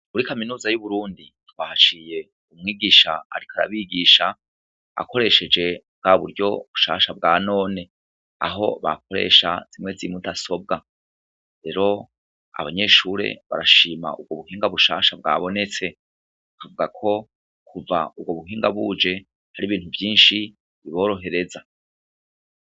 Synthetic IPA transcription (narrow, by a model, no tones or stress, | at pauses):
muɾikaminuːzajuβuɾuːndi | twahat͡ʃiːje̞ | umŋiːɡiːʃaa̰ɾikʰaɾa̰βiːɡiːʃa | a̰ko̞ɾe̞ʃe̞d͡ʒe̞b̚ɡaβuɾɟo̞βu̥ʃa̰ːʃabɡaːno̞ːne̞ | a̰ɦo̞̰βa̰kʰo̞ɾe̞̰ːʃaz̥imŋe̞zimudaso̞b̚ɡa | ɾe̞ɾo̞ | a̰βaɲe̞ːʃuːɾe̞̰βa̰ɾaʃiːma̰ub̚ɡo̞βuhiːŋɡaβuʃaːʃabɡa̰ːβo̞ne̞t͡se̞ | kavuɡakʰo̞ | kʰuva̰ub̚ɡo̞βuɦiːŋɡaβud͡ʒe̞ | haɾiβiːnhuvjiːnʃi | βiβo̞ːɾo̞ɦe̞ɾe̞za